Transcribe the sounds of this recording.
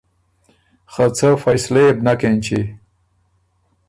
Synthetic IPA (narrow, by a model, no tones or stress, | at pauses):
χat͡sʰafajslebnakent͡ɕʰi